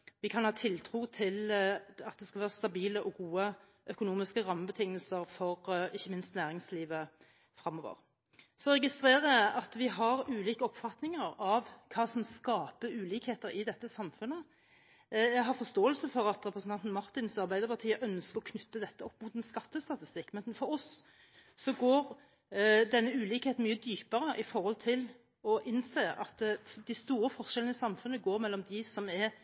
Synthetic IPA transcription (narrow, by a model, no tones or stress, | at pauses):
ʋɪkʰɑnhɑːt̪ʰɪlt̪ʰʁuːt̪ʰɪlɑt̪̚d̪ɛskɑʋæːʁəst̪ɑbiːləʔɔɡuːə | ʔœkʊnuːmɪskəɾɑmːəbət̪ʰɪŋːəlsəʁfɔʁɪçːəmɪnst̪næːʁɪŋsliːʋə | fʁɑmːɔʋə̰ʁ | sɔʁɛɡɪst̪ɾeːʁəɑt̪ʋɪɦɑʁʉːliːkəɔpfɑt̪nɪŋəɾɑʋkʰɑːsɔmskɑːpəʉːliːkheːt̪əɾɪd̪ɛt̪ːəsɑmfʉnə | jæɦɑfɔst̪oːəlsəfɔɾɑt̪ɾɛpɾəsnɑnt̪nmɑʁt̪ɪnsɑʁbæɪd̪əɾpɑt̪ʰiːəʔœnskəɾɔkʰnʉt̪ːəd̪ɛt̪ːəɔpːmʊt̪ɛnskɑt̪ːəst̪ɑt̪ɪst̪ɪkːmɛnfɔɾɔsː | ɔɡoːɾ | d̪ɛnːəʉːliːkheːt̪n̩myːəd̪yːpəɾəʔɪfɔɾhɔlt̪ʰɪl | ɔʔɪnseːɑ̰t̪d̪æɪst̪uːɾəfɔʁʂɛlənəsɑmfʉnːəɡoːɾmɛlːɔmd̪ɪsɔmɛɾ